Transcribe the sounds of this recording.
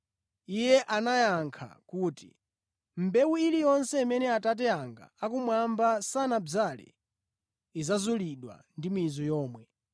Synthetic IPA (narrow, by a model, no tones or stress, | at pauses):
ijɛʔanajaŋkʰa̰kuːtḭ | m̩bɛwuilijɔnsɛimɛnɛatat̬ɛaŋɡa̰ːkumwambasanab͡ʐalɛ̰ | izazuliɗwa̰ndimizɔjɔːmwɛ